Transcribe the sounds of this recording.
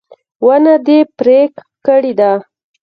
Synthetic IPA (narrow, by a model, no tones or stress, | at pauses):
wənad̪epɾek | kəɽid̪a